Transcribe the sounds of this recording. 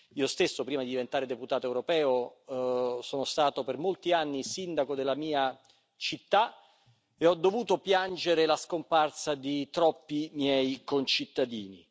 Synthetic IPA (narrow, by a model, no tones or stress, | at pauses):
iːost̪esːopɾiːmad̪id̪ivent̪aːɾed̪eput̪aːt̪oɛwɾopɛːo | soːnost̪aːt̪opermolt̪ianːisind̪akod̪elːamiːa | t͡ʃit̪ːa | eɔd̪ːovuːt̪opjand͡ʒeɾelaskomparsad̪it̪ɾɔpːimjɛːjkont͡ʃit̪ːad̪iːni